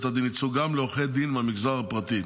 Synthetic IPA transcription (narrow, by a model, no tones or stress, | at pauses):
t̪ad̪init͡suɡamleoχed̪inmamiɡzaʁapʁat̪i